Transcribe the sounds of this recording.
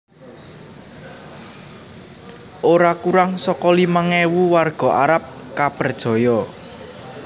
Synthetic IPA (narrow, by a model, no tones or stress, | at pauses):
ʔoɾakuɾaŋsɔkɔlimaŋɛwuwarɡ̥ɔ̤ʔaɾap̚ | kapərd̥ʒ̥ɔ̤jɔ